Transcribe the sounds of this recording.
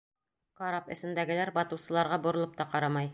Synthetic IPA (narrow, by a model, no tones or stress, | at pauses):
qɒɾɑpɘ̰̆sɘ̆nd̪æɡɘ̆læɾbɒt̪ɤ̆wsɤ̆lˠɑɾʁɑbŭɾŏlˠɤp̚t̪ɑqɑɾɑmɑj